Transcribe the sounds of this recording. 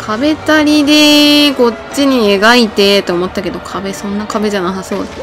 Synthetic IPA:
kʰabe̞t̪aɾʲid̪e̞ko̞t͡ɕːiɲ̟ieɡait̪e̞t̪ːeomo̞t̪ːake̞d̪o̞kʰabe̞sõ̞nːakabe̞d͡ʑanasaso̞ːd̪

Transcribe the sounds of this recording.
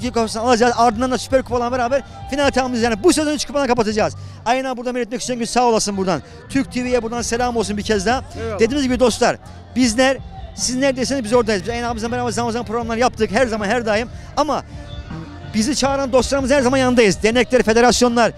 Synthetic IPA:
kikʰapasɯnalˠad͡ʒaːzaɾd̪ɯnd̪and̪asy̥pæɾkʰu̥pʰalˠanbeɾaːbæɾ | finalʲit̪ʰaamizjaːnibusezonyt͡ʃkʰu̥palˠnakʰapat̪ʰad͡ʒaːz | ajanaːbuɾd̪anmeɾɛt̪mɛci̥st͡ʃʰinɟynsaːolˠasɯnbuɾd̪an | t̪ʰyɾc̚ʲt̪ʰivijɛbuɾd̪anselʲaːmosunbiɾcʰɛzd̪ad̪̥ed̪iːnizɟibid̪o̞st̪lˠaɾ | biznʲæɾsiznʲæɾd̪e̞jsinizbizo̞ɾd̪ajɯzbizajanaːmɯzabeɾaːbæɾzaamazanpʰɾɾamlˠaɾjap̚t̪ʰɯkɦæɾzamanɦæɾd̪ajɯm | ama | bizit͡ʃʰaːɾand̪o̞st̪ˠaɾɯmɯzhæɾzamanjand̪ajɯzd̪enɛclʲæɾfe̞d̪e̞ɾasjo̞nlˠaɾ

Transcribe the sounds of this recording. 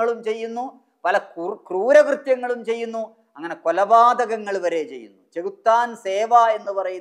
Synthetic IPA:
ɐɭumt͡ɕe̞jːunːu | pɐlɐkruːɾɐkrɨt̪jɐŋːɐɭumt͡ɕe̞jːunːu | ɐŋːɐne̞kolɐbaːd̪ɐɣɐŋːɐɭʋɐɾe̞ːt͡ɕejːṵnːut͡ɕeɣut̪ːaːnseːʋae̞nːupɐrɐju

